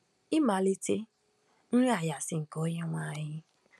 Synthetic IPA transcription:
i˦ma˨li˦te˦ | n̩˦ɾa˦˨ja˨sɪ˨ŋ̩˨kɔ˨˦ɲe˦ŋʷa˦˨ɲɪ˦

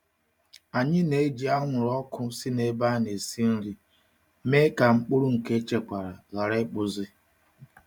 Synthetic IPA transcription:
a˨ɲɪ˦ne˨˦d͡ʒi˨a˦ŋʷʊ˨ɾɔ˦kʰʊ˦si˦ne˨˦ba˦ne˨si˦n̩˦ɾi˦ | me˦ka˨ŋ͡m̩˦k͡pʊ˦ɾʊ˦ŋ̩˨ke˦t͡ʃe˨kʷa˨ɾa˨ɣa˨ɾe˦k͡pʊ˨zɪ˦

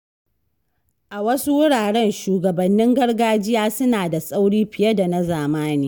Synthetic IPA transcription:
ʔa˨wɐ˦su˦wʊ˦ɽaː˨ɽɛ˦nʃuː˨ɡɐ˨bɐ˨nːɪ˦ŋɡɐ˦rɡaː˦d͡ʒɪ˦jaː˦sʊ˦naː˨da˨sʼa˦wɽiː˦ɸɪ˨jɐ˦da˨na˦zaː˨maː˦niː˦

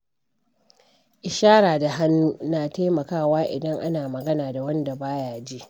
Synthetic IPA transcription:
ʔɪ˨ʃaː˦ɾaː˨da˨ɦa˦nːuː˦naː˨ta˦mɐ˨kaː˦˨waː˦ʔɪ̰˨dɐ˦ŋʔa˦naː˨mɐ˨ɡɐ˦naː˨da˨wɐ˦nda˨baː˦jaː˦˨d͡ʒe˦ʔ

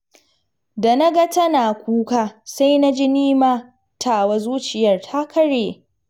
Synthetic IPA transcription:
da˨na˦ɡa˦tɐ˦naː˨kʷuː˦kaː˦sa˦jna˦d͡ʒɪ˦niː˦maː˦ | tʰaː˦˨wa˦zuː˦t͡ʃɪ˨jɐ˦˨rtʰa˦kʰɐ˦ɽeː˨

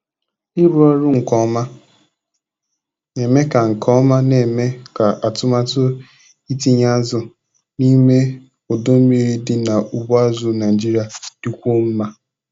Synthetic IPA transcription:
ɪ˦ɾu˦ɔ˦ɾʊ˦ŋ̩˨kɔ˨˦ma˦ | ne˨me˦ka˨ŋ̩˨kʰɔ˦ma˦ne˨me˦ka˨ʔa˨tʊ˦ma˦tʊ˦ | i˦ti˦ɲa˦zʊ˨ | ni˦me˦ | ʊ˨do˦m̩˦mi˦ɾi˦dɪ˦na˨ʔu˨ba˦zʊ˦na˨d͡ʒi˦ɾi˨a˨d̥u˦kʷo˦m̩˦ma˦

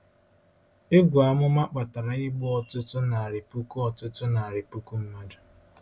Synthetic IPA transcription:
e˦ɡʷʊ˨a˨mʊ˦ma˦k͡pa˨ta˨ɾa˨ɪ˦ɡ͡bʊ˦ɔ˨tʊ˦tʊ˦na˨a˨ɾɪ˨pu˦ku˦ɔ˨tʊ˦tʊ˦na˨a˨ɾɪ˨pu˦ku˦m̩˦ma˦dʊ˨

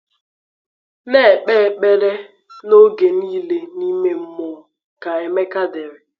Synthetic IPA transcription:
ne˦˨ɓeː˦˨k͡pe˦ɾe˦ | no˦ɡe˨niː˦le˦ni˦me˦m̩˦mʊ˨ | ka˨e˨me˦ka˦dɪ˨ɾɪ˨

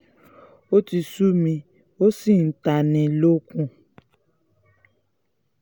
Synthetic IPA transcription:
o˦ti˨su˦mĩ˨ | o˦si˦˨n̩˨ta˨nɛ̃˨lo˦kũ˦

